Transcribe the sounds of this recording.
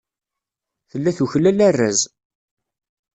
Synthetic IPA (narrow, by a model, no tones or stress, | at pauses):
θəlːæθuçlælærːæ̰z